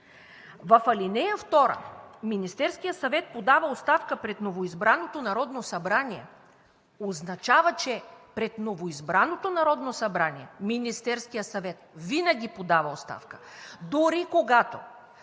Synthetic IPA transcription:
vɐfɐlinɛjəft̪ɔɾə̰minist̪ɛɾskijəsɐvɛt̪̚pod̪avɐost̪afkəpɾɛt̪novoizbɾanot̪onɐɾɔd̪nosɐbɾaniɛ̰ | oznɐt͡ʃavət͡ʃɛpɾɛt̪novoizbɾanot̪onɐɾɔd̪nosɐbɾaniɛminist̪ɛɾskijəsɐvɛt̪̚vinəɡ̟ʲipod̪avɐost̪a̰fkə̥d̪uɾikoɡat̪o̰

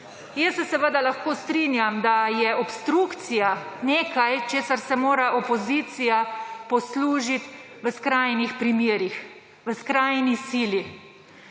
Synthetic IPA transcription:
jəsːɛsɛʋəd̪alaxkoːst̪ɾinjamd̪ajɛʔɔpst̪ɾukt̪sijaneːkajt͡ʃeːsaɾsɛmoːɾaʔɔpɔziːt̪sijapɔsluːʒit̪ | ʋəskɾajnixpɾimjeːɾix | ʋəskɾajnisiːli

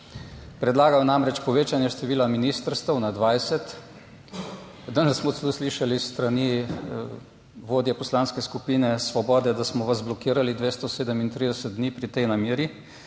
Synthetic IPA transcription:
pɾɛd̪laːɡajnamɾɛt͡ʃpɔʋeːt͡ʃanjɛʃt̪ɛʋiːlaminiːst̪əɾst̪əwnad̪ʋajsɛt̪ | d̪anɛssmɔt̪slusliʃalist̪ɾani | ʋoːd̪jɛpɔslaːnskɛskupiːnɛsʋɔbɔːd̪ɛd̪asmɔʋazblɔkiːɾalid̪ʋeːst̪ɔseːd̪əmint̪ɾid̪ɛsət̪̚d̪niːpɾit̪ɛjnameːɾi

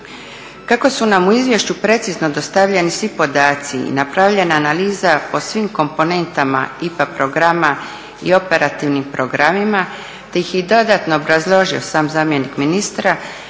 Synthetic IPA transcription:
kako̞sunamuizʋje̞ʃt͡ɕupɾe̞t̪sizno̞d̪o̞st̪aʋʎe̞nisʋipo̞d̪aːt̪siḭnapɾaʋʎe̞naːnaliːzapo̞sʋiːmko̞mpo̞ne̞nt̪ama̰ipapɾo̞ɡɾama | ḭo̞pe̞ɾat̪iʋnimpɾo̞ɡɾamima | t̪ejixjid̪o̞d̪aːt̪no̞ːobɾazlˠo̞ʒio̞saːmzaːmje̞nikminist̪ɾa

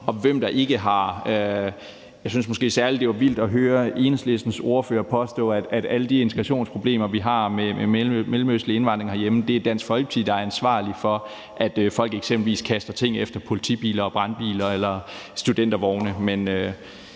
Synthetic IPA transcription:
ɒ̽ʋem̰d̥ɑ̈ʔe̝ɡ̥əɦɑ̈ø | jɑs̬ynsmoɔsɡ̥e̝̰ːsæɐlid̥e̝ʋɑ̈ʋil̰d̥ɒ̽ɦøːɐe̝ːnesle̝sd̥n̩so̝ːɐføːɐpʰɒ̽sd̥ɔ̰̽ːæd̥æd̥æləd̥ie̝nt͡sʰeɡ̥ʁɑɕo̝̰ːnspʰʁo̝ble̝̰ːmɐʋiɦɑ̈memʔemelm̩øslie̝nʋɑ̈nd̥ʁeŋhæɐjeməd̥e̝æd̥æn̰sɡ̥fɒ̽lɡə̥t͡sʰið̰ˠd̥ɑ̈æɐænsʋɑ̰̈ːlifɒ̽ | ʔæd̥øfɒ̽l̰ɡ̥eɡ̥semb̥l̩ʋḭːskʰæsd̥ɐt͡sʰe̝ŋ̰efd̥ɐpʰo̝lit͡sʰḭːb̥ḭːlɐɒ̽b̥ʁɑ̈nb̥ḭːlɐelɐsd̥ud̥en̰d̥ɐʋɒʊnəmenø

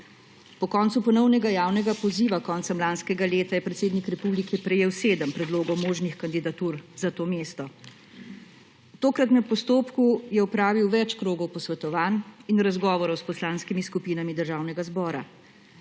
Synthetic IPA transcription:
pɔkɔːnt̪supɔnɔwnɛɡajaːwnɛɡapɔziːʋakɔːnt̪sɛmlanskɛɡaleːt̪ajɛpɾɛt̪seːd̪nikɾɛpuːblikɛpɾɛjeːwseːd̪əmpɾɛd̪loːɡɔwmoːʒnixkand̪id̪at̪uːɾzat̪oːmeːst̪ɔ | t̪oːkɾat̪napɔst̪oːpkujɛɔpɾaːʋiwʋɛt͡ʃkɾoːɡɔwpɔsʋɛt̪ɔʋaːninɾazɡɔːʋɔɾɔwspɔslaːnskimiskupiːnamid̪əɾʒaːwnɛɡazbɔːɾa̰

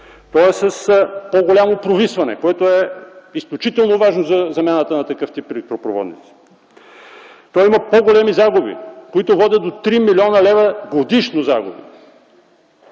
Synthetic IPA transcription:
t̪ɔɛsəspoɡolʲamopɾovisvɐnɛ̰koɛt̪oɛisklʲut͡ʃit̪ɛlˠnovaʒnozɐzɐmʲjanət̪ənɐt̪ɐkɤft̪ipɛlɛk̚t̪ɾopɾovɔ̰d̪nḭt̪si̥ | t̪ɔimɐpoɡolʲɛmizaɡubḭkoit̪ovɔd̪ʲəd̪ot̪ɾimilʲɔnɐlɛvəɡod̪iʃnoza̰ɡʊ̰bḭ

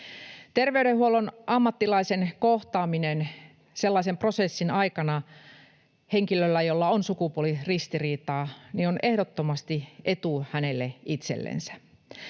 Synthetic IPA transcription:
t̪erʋeyɾehɦuolonʔɑmːɑt̪ːilɑisenkoht̪ɑːminen | selːɑisempro̞sesːinɑikɑnɑ | heŋkilølːæjolːɑonsukupuolirist̪iriːt̪ɑːnionʔehdot̪ːomɑst̪iʔet̪uhænelːeʔit̪sḛlːḛnsæ̥

